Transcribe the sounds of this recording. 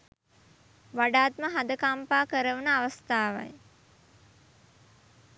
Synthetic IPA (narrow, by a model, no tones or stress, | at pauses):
ʋaɖaːt̪məɦad̪əkampaːkəɾəʋunəaʋəst̪aːʋa̰j